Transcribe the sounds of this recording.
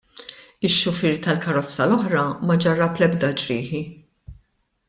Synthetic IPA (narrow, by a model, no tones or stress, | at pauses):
ɪʃːʊfɪːɾt̪ɐlkɐɾɔt͡sːɐlɔħɾɐmɐd͡ʒɐrːɐplɛbd̪ɐd͡ʒɾiːħi